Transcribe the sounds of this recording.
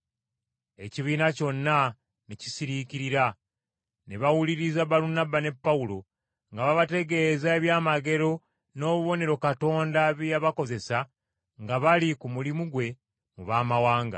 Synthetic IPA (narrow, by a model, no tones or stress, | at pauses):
e̞ciβiːnaco̞nːa | neci̥siɾiciɾiɾa | neβawuliɾizaβaɾunabane̞pːaulo̞ | ŋɡaβaβate̞ɡe̞ːzaeβjaːmaɡe̞ɾo̞ | no̞ːβuβo̞ne̞ɾo̞kato̞ːndaβjaβako̞ze̞sa | ŋɡaβalikumulimuɡwe̞ | muβaːmawaːŋɡa̰